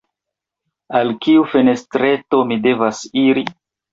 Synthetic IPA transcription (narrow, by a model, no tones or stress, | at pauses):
alkiufene̞stɾe̞to̞mide̞vasiɾi